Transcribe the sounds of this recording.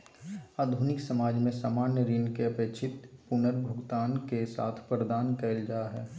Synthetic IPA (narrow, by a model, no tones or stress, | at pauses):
aːd̪ʱunɪksəmaːd͡ʒmẽsaːmaːnjəɾɪnkeɐpeːkʃʰɪt̪pʊnəɾbʱʊɡt̪aːnkesa̰ːt̪ʰpɾəd̪aːnkɛɪld͡ʒaːɦɛː